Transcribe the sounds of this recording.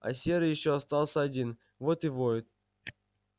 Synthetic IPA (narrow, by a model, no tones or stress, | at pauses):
ɐ̰sʲeɾɨjɪɕːoɐst̪ɑlˠsʲəɐdʲin | vot̪ɨvoɪt̪̚